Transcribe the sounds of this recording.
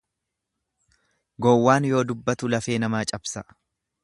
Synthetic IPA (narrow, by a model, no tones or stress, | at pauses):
ɡɔwːaːnjo̞ːd̪ʊbːɐt̪ʊlɐfe̞ːnɐmaːt͡ʃʼɐbsɐ